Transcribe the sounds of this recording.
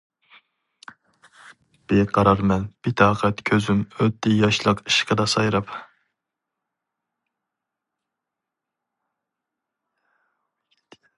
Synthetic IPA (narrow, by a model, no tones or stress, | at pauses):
b̥eqʰɑɾɑɾmɛnb̥it̪ʰɑːqʰɛt̪kʲʰøzymøt̪ʰːɪjɑʃlˠəqi̥ʃqʰəd̪ɑsɑjɾɑp